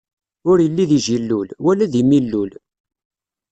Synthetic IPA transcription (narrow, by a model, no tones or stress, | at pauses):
ʊɾjəlːiðiʒilːulwælæðimilːul